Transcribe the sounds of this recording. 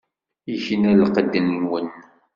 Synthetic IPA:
içənælqəd̪ənːwən

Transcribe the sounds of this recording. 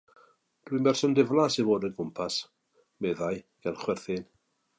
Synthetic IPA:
d̥wimɛrsɔndɪvlˠasivoːdənkʰʊmpʰas | mɛðaɨ | ɡ̥ɛlˠχwɛrθɪn

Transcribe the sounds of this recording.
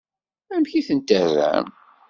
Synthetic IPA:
æmçiθənt̪ærːæ̰m

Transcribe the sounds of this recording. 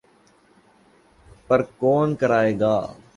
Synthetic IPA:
pɐɾkɔːnkəɾaːeːɡaː

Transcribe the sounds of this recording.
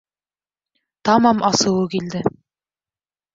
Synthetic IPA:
t̪ɑmɑmʔɑsɤ̆wɤkild̪ɘ

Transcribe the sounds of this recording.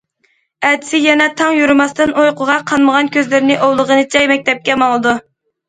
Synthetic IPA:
ɛt̪ʰɪ̥sɪjɛnɛt̪ʰɑŋjuɾɨmɑst̪ɨnʔojqʰʊʁɑqʰɑnməʁɑnkʲʰøzlɪɾɪnɪʔowlˠəʁənɨt͡ʃʰɛjmɛk̚ʲt̪ɛp̚kʲɛmɑlˠɨd̪u

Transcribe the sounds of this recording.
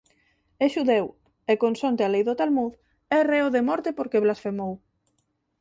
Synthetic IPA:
eʃuðew | ekonsont̪ealejðot̪almuð | ɛreoðemɔɾt̪epoɾkeβlasfemow

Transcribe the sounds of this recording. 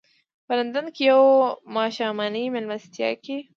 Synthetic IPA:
pəlɐnd̪ənkijawmaːʃaːmɑːnimɪlmɐst̪jɑ̰ke

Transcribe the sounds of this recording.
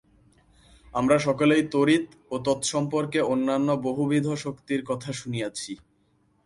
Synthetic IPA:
amɾaʃɔkolejt̪oɾit̪ | ot̪ɔt̪ʃɔmpoɾkeonːanːoboɦubʱid̪ʱoʃokt̪iɾkɔt̪ʰaʃunijat͡ɕʰi

